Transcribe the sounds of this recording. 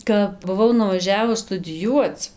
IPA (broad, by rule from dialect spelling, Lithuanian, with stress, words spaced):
kɐp bʊˈʋɐʊ nʊʋɐˈʒʲæːʋʊs stʊdʲɪˈjuɔt͡s